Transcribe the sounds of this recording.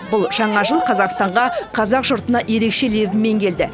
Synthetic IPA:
bʊlˠʒ̥ɑɴɑʒəlˠqʰɑzɑqst̪ɑɴʁɑqʰɑzɑqʒʊɾt̪ənɑʔje̞ɾe̞kʃe̞le̞bɪme̞ŋkʲʰe̞ld̪ɪ

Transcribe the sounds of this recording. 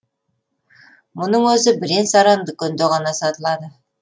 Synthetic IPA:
mʊnəɴwɵzɪbɪɾensɑɾɑnd̪əkʲɵnd̪eʁɑnɑsɑt̪əlˠɑd̪ə

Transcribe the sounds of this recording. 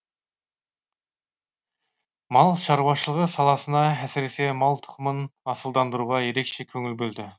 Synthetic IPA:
mɑlˠʃɑɾwɑʃəlˠəʁəsɑlˠɑsənɑæsɾe̞se̞mɑlˠt̪ʰʊ̥qəmənɑsəlˠd̪ɑnd̪əɾuʁɑje̞ɾe̞kʃe̞kʲʰɵŋʲɪlbɵld̪ɪ

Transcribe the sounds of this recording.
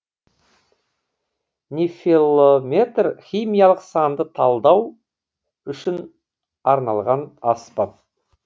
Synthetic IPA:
nʲefilˠomʲe̞t̪rχʲijmijɑlˠəqsɑnd̪ət̪ʰɑlˠd̪ɑw | ʏʃɪn | ɑɾnɑlˠʁɑnɑspɑt̪̚

